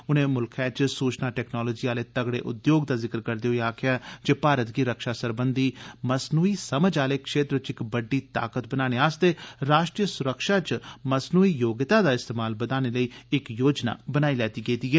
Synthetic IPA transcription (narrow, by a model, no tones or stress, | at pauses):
ʊnẽːmʊlkʰɛːt͡ʃsuːt͡ʃnaːʈɛːknaːloːd͡ʒiːaːleːt̪əɡɽḛːʔʊd̪joːɡd̪aːzɪkəɾkəɾd̪eːɦoeaːkʰɪjaːd͡ʒeːpaːɾət̪ɡiːɾəkʃaːsəɾbənd̪iːməsnuːiːsəməd͡ʒaːleːkʃeːt̪ɾət͡ʃɪkbəɖːiːt̪a̰ːkət̪̚bənaːneːaːst̪eːɾaːʃʈɾijəsʊɾəkʃaːt͡ʃməsnuːiːjoːɡɪt̪aːd̪aːɪst̪eːmaːlbəd̪aːñeːləiːɪkjoːd͡ʒna̰ːbənaːiːlɛːt̪iːɡeːd̪iːɦɛː